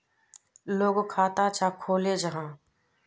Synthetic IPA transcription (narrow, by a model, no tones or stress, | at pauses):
loːɡkʰaːt̪at͡ʃaːkʰoːled͡ʒəɦãː